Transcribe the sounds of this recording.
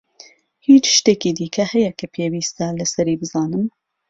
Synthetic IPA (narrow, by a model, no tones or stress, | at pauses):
hiːt͡ʃʃt̪eːkiːd̪iːkʰɐhɛjɛkʰɐpʰeːwiːst̪ɐlɐsɐɾiːbɨzɑːnɨm